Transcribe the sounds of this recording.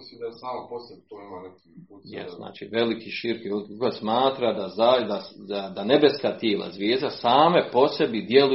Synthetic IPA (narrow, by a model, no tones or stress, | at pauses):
isiːmd̪asaːmaposebt̪oimanat̪iujɛ̰st̪na̰ːt͡ʃḭʋe̞likʰiʃiɾkiʋelˠikikosmaːt̪ɾad̪azad̪asad̪ane̞be̞skaːt̪jeːlˠa̰zʋjeːzd̪asaːmepo̞se̞bid̪je̞lu